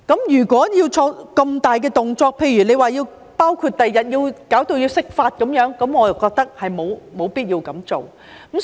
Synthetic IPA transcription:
kɐ˨˥mjyː˨˩kʷwɔː˨˥jiː˧wt͡ʃʰɔː˧kɐ˧mt̪aː˨˩jkɛː˧t̪ʊ˨ŋt͡sɔː˧k̚pʰe˧jyː˨˩ne˨˧jwaː˨jiː˧w | paː˥wkʰuː˧t̚t̪ɐ˨jːɐ˨t̚jiː˧wkaː˨˥wt̪o˨˧wjiː˧wsɪ˥k̚faː˧t̚kɐ˨˥mjœː˨˥ŋkɐ˨˥mŋɔː˨˧jɐ˨˩wkɔː˧k̚t̪ɐ˥k̚hɐ˨jmo˨˧wmo˨˧wpiː˥t̚jiː˧wkɐ˨˥mt͡so̰˨w | km

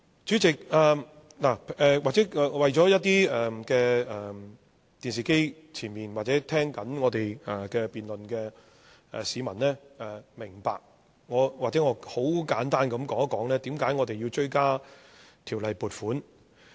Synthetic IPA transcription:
t͡ʃyː˨˥t͡sɪ˨k̚ɛː˨˩ | laː˨˩˨waː˨k̚t͡sɛː˨˥˨wɐ˨jt͡sɔː˨˥jɐ˥t̚t̪iː˥ɛː˨˩kɛː˧ɛ˨ | t̪iː˨ns̬iː˨ke˥j | t͡sʰiː˨˩nmiː˨˩nwaː˨k̚t͡sɛː˨˥t̪ʰɛː˥ŋkɐ˨˥nŋɔː˨˧t̪e˨˩jɛː˨˩kɛː˧piː˨nlɵ˨nkɛː˧ | ɛ̰˨siː˨˧mɐ˨˩nlɛː˥ɛ˨mɪ˨˩ŋpa̰ː˧k̚ | ŋɔː˨˧waː˨k̚t͡sɛ˨˧˥ŋɔː˨˧ho˨˥wkaː˨˥nt̪aː˥nkɐ˨˧mkɔː˨˥ŋkɔː˨˥ŋlɛː˥t̪iː˨˥mkaː˨˥jŋɔː˨˧t̪e˨jiː˧wt͡ʃɵ˥ɥkaː˥ | t̪ʰiː˨˩wlɐ˨jpuː˨t̚fuː˨˥n

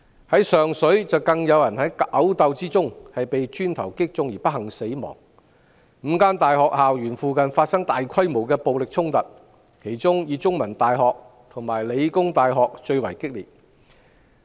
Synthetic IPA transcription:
hɐ˨˥jsœː˨ŋsɵ˨˥ɥt͡sɐ˨wkɐ˧ŋjɐ˨˧wjɐ˨˩nhɐ˨˥jkɐ˨˥wt̪ɐ˧wt͡siː˥t͡sʊ˥ŋhɐ˨jpe˨jt͡ʃyː˥nt̪ʰɐ˨˩wkɪ˥k̚t͡sʊ˧ŋjiː˨˩pɐ˥t̚hɐ˨˩ŋse˨˥jmɔ̰ː˨˩ŋ | m̩ː˨˧˥kaː˥nt̪aː˨jɦɔː˨k̚haː˨wjyː˨˩nfuː˨˧kɐ˨nfaː˧t̚sɐ˥ŋt̪aː˨jkʰɐ˥jmo˨˩wkɛː˧po˨wlɪ˨k̚t͡sʰʊ˥ŋt̪ɐ˨t̚ | kʰe˨˩jt͡sʊ˥ŋjiː˨˧t͡sʊ˥ŋmɐ˨˩nt̪aː˨jɦɔː˨˧k̚ | t̪ʰʊ˨˩ŋmaː˨˩jle˨˧jkʊ˥ŋt̪aː˨jɦɔː˨k̚t͡ʃɵ˧ɥwɐ̰˨˩jkɪ˥k̚liː˨t̚

